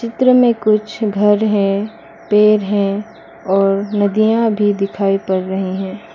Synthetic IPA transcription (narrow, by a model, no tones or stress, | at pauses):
t͡ʃɪt̪ɾəmẽkʊt͡ʃʰɡʱɐɾɦɛ̃ | peːɾɦɛ̃ | ɔːɾnɐd̪ijãbʱid̪ɪkʰaːipɐɾːɐɦiɦɛ̃ː